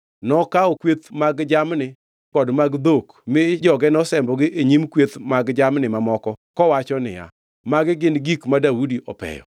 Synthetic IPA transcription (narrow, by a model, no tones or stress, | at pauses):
nɔkaɔkwet̪maɡd͡ʒamnɪ | kɔdmaɡd̪okmɪd͡ʒɔɡɛnɔsɛmbɔɡɪʔeɲimkwet̪maɡd͡ʒamnɪmamɔkɔkɔwat͡ʃɔnɪ̰ja̰ | maɡɪɡɪnɡikmadaudiʔɔ̰pɛ̰jɔ̰